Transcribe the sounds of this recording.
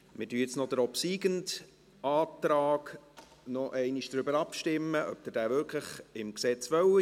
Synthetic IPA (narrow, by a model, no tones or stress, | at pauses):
mɪdyəjt͡snɔd̥̪əɾɔpsiːɡənt | ʔɑːtɾɑːɡ | nɔʔɛɪniʃd̥ɾʏbəɾɑpʃtɪmːəʔœ̰p̚d̥əd̥æːvʏɾkʰləχɪmksɛt͡sʋœwi